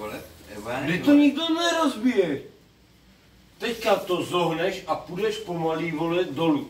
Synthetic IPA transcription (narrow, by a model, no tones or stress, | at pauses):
mɪt̪oɲiɡ̚d̪onɛɾozbijɛʃ | t̪ɛckat̪ozoɦnɛʃapud̪ɛʃpomaliːvolɛd̪olu